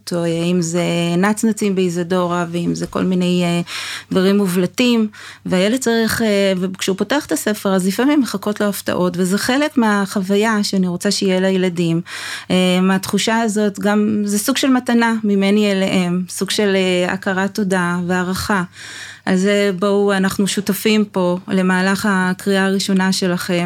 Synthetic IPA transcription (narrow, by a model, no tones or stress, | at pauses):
toimzenat͡snat͡simbeizado̞ʁaveimzeko̞̰lmine̞jedvaʁimːuvlatimveajeled̚t͡saʁiχevekʃeupo̞teaχt̪ase̞fe̞ʁazlifamimːeχako̞tlo̞afta̰ʔo̞tvezeχe̞le̞kmeaχavajaʃeaniʁo̞t͡saʃeijelajeladimʔemeatχuʃaːzo̞tɡamzesuɡʃe̞lmatanamime̞nielehe̞msuɡʃe̞lea̰kaʁato̞dave̞aʁaχa | alzebauanaχnuʃutafimpo̞le̞maːlaχakʁiʔaːʁiʃo̞naʃe̞laχe̞m